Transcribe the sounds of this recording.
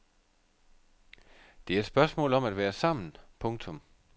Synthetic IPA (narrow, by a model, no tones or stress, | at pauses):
d̥e̝æɐed̥sb̥ɶɐsmɔ̰ːlɒ̽mæd̥ʋæːɐsɑ̈m̰n̩pʰɔ̽ŋt͡sʰɔ̽m